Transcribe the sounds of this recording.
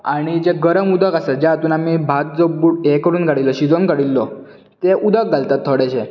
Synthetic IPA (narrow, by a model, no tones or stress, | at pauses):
aɽ̃id͡ʑeɡəɾəmud̪ʱəkased͡ʑãɦat̪uːnamibʱat̪̚d͡zobuʈekəɾuːnkəɽilːɔɕid͡zonkəɽilːɔ | t̪eʔud̪ʱək̚ɡalt̪at̪ʰːəɽɛt͡ɕʰe